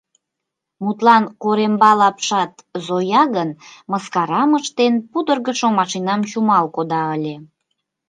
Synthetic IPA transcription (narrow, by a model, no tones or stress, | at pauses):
mut̪lɑnkoɾembɑlɑpʃɑt̪zojɑɣənməskɑɾɑməʃt̪enpud̪ərɣəʃomɑʃinɑmt͡ɕumɑlkod̪ɑəlʲe